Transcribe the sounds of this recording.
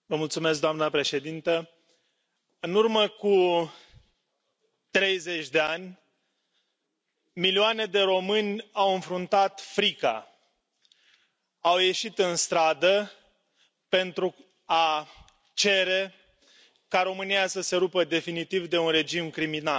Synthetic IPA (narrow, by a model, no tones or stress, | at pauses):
vəmult̪sume̞s̬k̚d̪oamnəpɾe̞ʃe̞d̪int̪ə | ɨnurməku | t̪ɾe̞jze̞t͡ʃʲd̪e̞anʲ | milioane̞d̪e̞ɾo̞mɨnʲawɨnfɾunt̪at̪fɾika̰ | awje̞ʃit̪ɨnst̪ɾad̪ə | pe̞nt̪ɾu | a | t͡ʃe̞ɾe̞ | kaɾo̞mɨnijasəse̞ɾupəd̪e̞finit̪ivd̪e̞unre̞d͡ʒimkɾiminal